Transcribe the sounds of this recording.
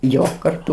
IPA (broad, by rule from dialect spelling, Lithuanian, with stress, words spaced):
ˈjoː kɐrˈtʊ